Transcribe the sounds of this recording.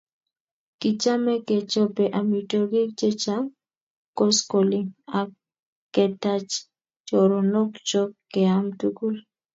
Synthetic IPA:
ki˨t͡ʃa˦mɛ˦kɛ˨t͡ʃɔ˦pɛ˨ʔa˨mitoɡe˦kt͡ʃe˦t͡ʃa˦m | ko˦skoliakː | ɛ˨ta˦t͡ʃ | t͡ʃɔɾo˨nɔ˦kt͡ʃɔ˦kːɛ˨amtuku˦l

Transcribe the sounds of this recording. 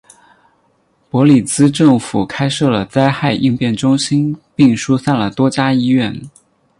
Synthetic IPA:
pwɔ˧˥li˨˩t͡sɹ̩˥ʈ͡ʂɤ˥˩ŋfu˨˩kʰa˥ɪʂɤ˥˩lə˩t͡sa˥ɪxa˥˧ɪʔi˥˧ŋpjɛ˥˩nʈ͡ʂʊ˥ŋɕi˥npi˥˩ŋʂu˥sa˥˩nlə˩t̪wɔ˥t͡ɕja˥i˥ɥɛ˥˩n

